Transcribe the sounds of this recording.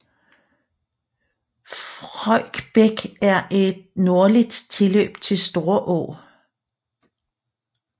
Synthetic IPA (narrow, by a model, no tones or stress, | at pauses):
fʁɒ̰ɡ̥b̥eɡ̥æɐʔe̝d̥̚no̝ɐlid̥t͡sʰe̝lø̰ːb̥t͡sʰe̝lsd̥o̝ːɐʔɔ̰ː